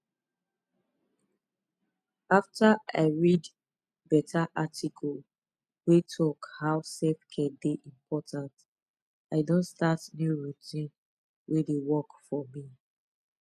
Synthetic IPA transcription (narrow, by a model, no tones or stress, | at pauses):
aftaa̰ɪɹid | bɛtʰaʔatikʰɔl | wetʰɔkhaʊsefkʰɛ̃ndeʔĩmpʰɔtãnt | aɪdõntstatnjuɹitĩn | ɹedewɔkfɔmi